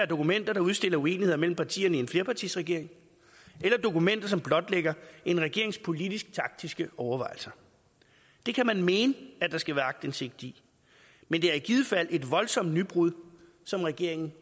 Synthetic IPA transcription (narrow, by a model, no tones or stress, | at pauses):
æɐd̥o̝kumen̰d̥ɐɾ̥ɑ̈uðˠsd̥e̝l̰ɐue̝ːnihe̝ð̞̰ˠɐmel̰m̩pʰɑ̈t͡sʰḭːɐnəie̝nfle̝ɐpʰɑ̈t͡sʰisʁɛɡ̥e̝ɐ̰e̝ŋ | ʔelɐd̥o̝kumen̰d̥ɐsɒ̽mb̥lɒ̽d̥leɡ̥ɐe̝nʁɛɡ̥e̝ɐ̰eŋspʰo̝lidisɡ̥̚t͡sʰɑ̈ɡ̥̚d̥isɡ̥əɒʊɐʋɑ̈ɪl̩sɐ | d̥e̝kʰæmænme̝ːnəæd̥ɑ̈sɡ̥æʋæːɐɑ̈ɡ̥̚d̥ense̝ɡ̥̚d̥i | mend̥e̝æɐiɡ̥ið̞ˠfæl̰e̝d̥ʋɒ̽lsɒ̽m̰d̥nyb̥ʁuðˠ | sɒ̽mʁɛɡ̥e̝ɐ̰e̝ŋn̩